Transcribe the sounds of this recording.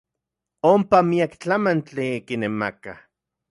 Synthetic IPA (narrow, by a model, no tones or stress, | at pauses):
ompamiakt͡ɬamant͡ɬikinemaka